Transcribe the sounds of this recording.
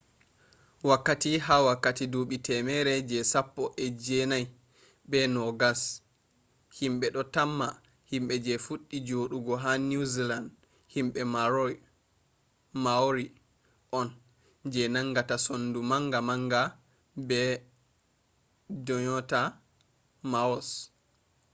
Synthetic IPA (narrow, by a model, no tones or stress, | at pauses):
wakːatiɦawakːatiduɓitɛmɛɾɛd͡ʒɛsapːɔʔɛd͡ʒɛnaj | bɛnɔɡas | himɓɛɗɔtamːa | himɓɛd͡ʒɛfuɗːid͡ʒoɗuɡɔɦanuziland | himɓɛmaɾɔj | maɾi | ʔɔn | d͡ʒɛnaŋɡatasondumaŋɡamaŋɡa | bɛ | dɔɲɔta | maɔs